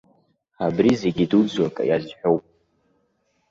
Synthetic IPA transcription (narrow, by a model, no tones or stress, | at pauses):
abrize̞ɡʲidud͡zɥakʼa̰jazħʷᶣo̞wpʼ